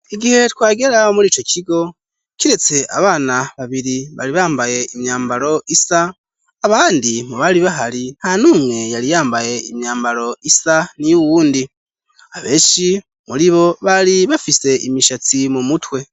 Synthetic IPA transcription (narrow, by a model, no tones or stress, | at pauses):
iɡihe̞twaːɡe̞ɾamuɾiːt͡ʃo̞cʰiɡo̞ | ciɾe̞t͡se̞ʔa̰βaːnaβaβiɾiβa̰ɾiβaːmbaje̞imjaːmbaɾo̞ʔisaː | βaːndimuβaɾiβaɦaɾin̥hanuːmŋe̞jaɾijaːmbaje̞imɲaːmbaɾo̞isanijuwuːndi | aβe̞ːʃi | muɾiβo̞βaɾiβafise̞ʔimiʃat͡simumutwe̞